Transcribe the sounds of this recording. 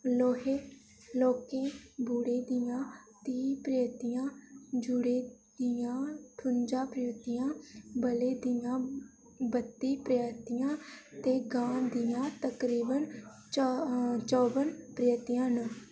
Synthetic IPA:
loːɦeː | loːkẽːbuːɽeːd̪ɪjãːt̪iːpɾəjət̪ɪjãːd͡ʒʊɽeːd̪ɪjãːʈʰʊnd͡ʒaːpɾɪjət̪ɪjãːbəleːd̪ɪjãː | bət̪ːiːpɾəjt̪ɪjãːt̪eːɡãːnd̪ɪjãːt̪əkɾiːbənt͡ʃt͡ʃɔːbənpɾəjət̪ɪjãːnũː

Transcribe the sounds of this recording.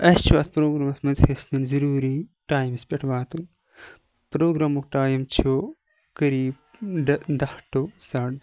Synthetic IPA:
ɐst͡ʃʰʋɐt̪pɾoːɡɾaːmɐsmɐzhesninzɐɾuːɾiʈaːjmspʲeʈʰʋaːt̪uŋ | pɾoːɡɾaːmokʈaːjɐmt͡ʃʰo | kɐɾiːb | d̪ɐhʈosaɽ

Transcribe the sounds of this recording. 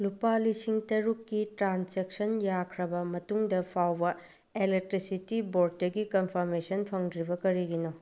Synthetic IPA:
lupalisiŋtɐɾukːitɾanseksɐnjakʰɾɐbɐmɐtuŋdɐpʰawbɐ | elek̚tɾisitiboɾd̚ːɐɡikɐnpʰɐɾmesɐnpʰɐŋdɾibɐkɐɾiɡino

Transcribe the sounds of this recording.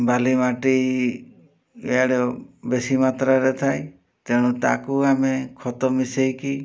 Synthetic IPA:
balimaʈi | eaɽebesimat̪ɾaɾet̪ʰaj | t̪eɽ̃ut̪a̰kuamekʰɔt̪ɔmisejki

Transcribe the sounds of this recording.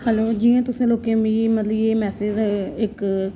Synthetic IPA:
hɛloːd͡ʒiːãːt̪ʊsẽːloːkẽmiːmət̪ləbeːmɛːsɪd͡ʒɪk

